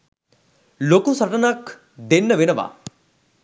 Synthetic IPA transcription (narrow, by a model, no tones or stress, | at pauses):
lokusɐʈɐnak | d̪enːɐʋenɐʋa̰ː